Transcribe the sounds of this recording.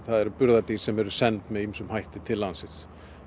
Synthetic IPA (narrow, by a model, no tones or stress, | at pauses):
θaðɛɾpʏɾðat̪isɛmɛɾʏsɛnt̪mɛðimsʏmhajht̪ɪt̪ʰɪlːansɪs